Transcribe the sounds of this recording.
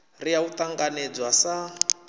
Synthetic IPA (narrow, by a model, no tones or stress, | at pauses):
rijaut̪aŋɡanɛd͡zwasa